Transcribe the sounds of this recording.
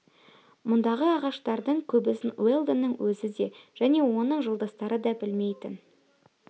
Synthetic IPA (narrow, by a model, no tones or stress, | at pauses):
mʊnd̪ɑʁəɑʁɑʃt̪ɑɾd̪əɴkʲʰɵbɪsɪnwelˠd̪ənːəɴwɵzɪd̪e̞ʒ̥æne̞wo̞nəɴʒəlˠd̪əst̪ɑɾəd̪ɑbɪlme̞jt̪ɪn